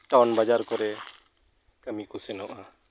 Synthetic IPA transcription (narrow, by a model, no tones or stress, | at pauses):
ʈawnbad͡ʒaɾkɔɾɛ | kəmikusɛnɔʔa